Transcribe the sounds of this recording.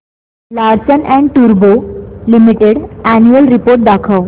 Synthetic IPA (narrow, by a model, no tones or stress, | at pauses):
laɽt͡ɕənɛ̃ɳɖʈuɾbolimiʈeɽænjuəlɾipoɾʈ̚d̪akʰaw